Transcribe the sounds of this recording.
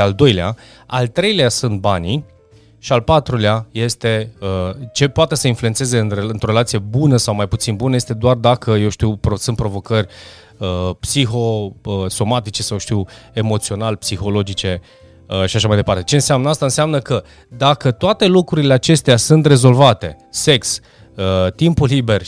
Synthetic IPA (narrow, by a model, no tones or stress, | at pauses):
ald̪o̞jlea̰ | a̰lt̪ɾe̞jleasunt̪̚bani | ʃialpat̪ɾuleaje̞st̪e̞ət͡ʃe̞poat̪e̞səinflue̞ntse̞ze̞ɨnreɨnt̪ɾo̞ɾelat̪sije̞bunəsawmajput̪sinbunəjest̪e̞d̪oard̪akəje̞wʃt̪iwpɾosunt̪pɾo̞vo̞kərʲ | əpsixo̞əso̞mat̪it͡ʃe̞sawʃt̪iwe̞mo̞t̪sio̞nalpsixo̞lo̞d͡ʒit͡ʃe̞ | əʃiaʃamajd̪epart̪et͡ʃe̞ɨnseamnəast̪aɨnseamnəkə | d̪akət̪oat̪e̞lukɾuɾile̞at͡ʃe̞st̪easunt̪re̞zo̞lvat̪e̞̰ | se̞ks | ət̪impulːibe̞r